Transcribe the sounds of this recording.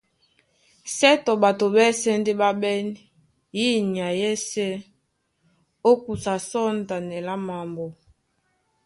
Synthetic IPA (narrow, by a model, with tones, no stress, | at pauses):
sɛ˦tɔ˨ba˨to˨bɛ˦sɛ˦n˦de˦ɓa˦ɓɛ˦ni˦˨ | ji˦ni˨a˨jɛ˦sɛ˦ | o˦ku˨sa˨sɔ˦n˨ta˨nɛ˨la˦ma˨mbɔ˨